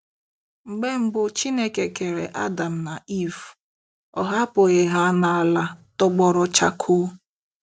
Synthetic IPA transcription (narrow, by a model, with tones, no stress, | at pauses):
ŋ͡m̩˨ɡ͡be˦ŋ͡m̩˦bʊ˦t͡ʃi˦ne˦ke˨ke˨ɾḛ˨ʔa˦da˨m̩˨na˨i˦f | ɔ̰˨ɦa˦po˨ɣe˨ɦa˦na˨a˨la˦tʊ˦ɡ͡bɔ˨ɾʊ˦t͡ʃa˦kʰʊ˦